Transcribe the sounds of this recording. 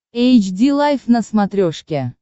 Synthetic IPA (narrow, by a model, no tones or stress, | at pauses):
ejt͡ʃd̪ʲilˠajfnəsmat̪ɾʲoʂkʲe